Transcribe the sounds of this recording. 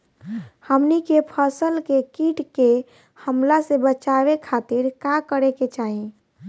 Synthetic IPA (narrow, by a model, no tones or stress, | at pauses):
həmnikepʰəsəlkekiʈke | həmlasebət͡ʃaβekʰat̪iɾkakəɾeket͡ʃaɦĩ